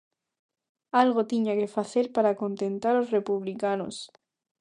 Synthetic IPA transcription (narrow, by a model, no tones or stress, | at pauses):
alɣ̞ot̪iɲake̞faθe̞ɾpaɾako̞nt̪ẽ̞nt̪aɾosre̞puβ̞likano̰s